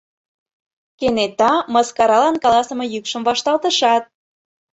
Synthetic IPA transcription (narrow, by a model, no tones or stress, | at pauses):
kenet̪ɑmɑskɑɾɑlɑnkɑlɑsə̆mɤ̆jykʃəmvɑʃt̪ɑlt̪əʃɑt̪̚